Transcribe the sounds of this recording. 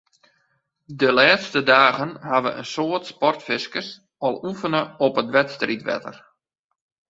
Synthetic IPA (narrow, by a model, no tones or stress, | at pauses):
dəlaːtstədaːɣənɦaʋə̰ʔə̰nsoːətspɔrtfɪskəs | ɔlˠufənəɔpətʋɛtstritʋɛ̰tə̰r